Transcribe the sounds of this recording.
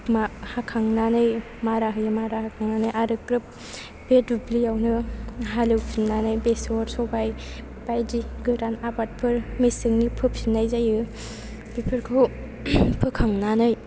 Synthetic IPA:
mahakʰaŋnanɯj | maɾaɦɯjɯmaɾahakʰaŋnanɯjʔaɾɯkɾɯp̚ | b̥edublijawnɯɦalɯwpʰinnanɯjbesɔɾsɔbaj | b̥ajdiɡɯɾanabat̚pʰɯɾmesɯŋnipʰɯpʰinːajzajɯ | b̥ipʰɯɾkʰ | pʰɯkʰaŋnanɯj

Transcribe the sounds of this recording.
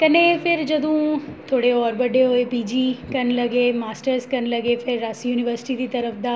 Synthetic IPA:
kɐnẽfɪɾd͡ʒɐd̪ʱũt̪ʰoːɽeɔːɾbɐɖeɦoːepiːd͡ʒikɐnlɐɡemaːsʈəɾskɐnlɐɡefʰɪɾːaːsjuːnɪʋəɾsɪ̥ʈid̪it̪ɐɾəfd̪aː

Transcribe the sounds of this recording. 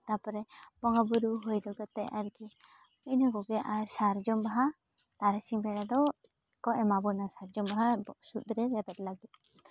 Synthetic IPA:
t̪apɔɾɛbɔŋɡabuɾuɦɔjd̪ɔɡɛt̪ɛʔaɾɡi | inaɡɔɡɛʔaɾsaɾd͡ʒɔmbaɦa | t̪aɾat͡ʃiɲbɛɽad̪ɔ | kɔʔɛmabɔnasaɾd͡ʒɔmbaɦasut̪̚ɾɛɾɛbɛt̪̚laɡit̪̚

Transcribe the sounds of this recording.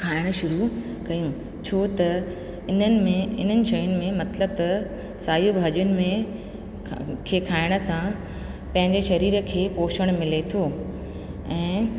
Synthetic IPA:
kʰaːɪɽ̃̆ʃʊɾu | kɐjũ | t͡ɕʰoːt̪ɐ | ɪn̤ənɪ̆mẽɪn̤ənɪ̆ʃɐjʊnɪ̆mẽmɐt̪ləb̚t̪ɐ | saːjubʱaːʄjʊnɪ̆mẽ | kʰeːkʰaːɪɽ̃ə̆sã | pɐ̃ɦɪ̃ɲd͡ʑeʃɐɾiːɾə̆kʰeːpoːʃəɽ̃mɪlet̪ʰoː | ɛ̃ː

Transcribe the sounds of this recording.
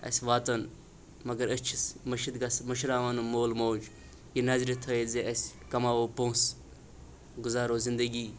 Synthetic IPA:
ɐ̰sʲʋaːt̪ən | mɐɡəɾət͡ʃʰismɐʃid̪ɡasmɐʃɾaːʋaːnumoːlmoːd͡ʒ | jinaːzɾʲit̪ʰɐezeʔɐsʲkɐmaːʋoːpõːs | ɡʊzaːɾoːzɪnd̪əɡiː

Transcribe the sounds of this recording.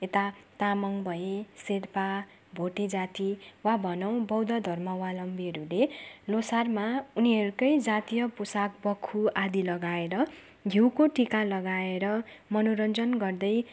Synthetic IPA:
et̪at̪amʌŋbʱʌeseɾpa | bʱoʈid͡zat̪iwabʱʌnʌw̃bʌwd̪ʌd̪ʱʌrmʌwalʌmbiɦʌɾulelosarmauniɦʌɾukʌjd͡zat̪ijʌpusak̚bʌkʰːuad̪ilʌɡaeɾʌ | ɡʱiwkoʈikalʌɡaeɾʌmʌnoɾʌnd͡zʌnɡʌrd̪ʌj

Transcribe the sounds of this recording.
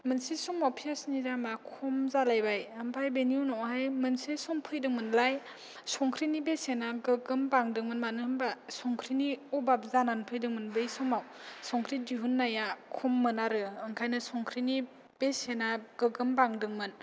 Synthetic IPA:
mɯnsisɔŋmawpʰiasnidamakʰumzalajbajɯmpʰajbenijunɔɦajmɯnsesɔŋpʰɯjdɯŋmɯnlaj | sɔŋkʰɾinibesenaɡɯɡɯmbaŋdɯŋmɯnmanɯhɯmbasɔŋkʰɾiniubap̚zananpʰɯjdɯŋmɯnbɯjsɔŋmawsɔŋkʰɾidiɦunːajakʰumːɯnaɾɯɯŋkʰajnɯsɔŋkʰɾini | b̥esenaɡ̥ɯɡɯmbaŋdɯŋmɯn

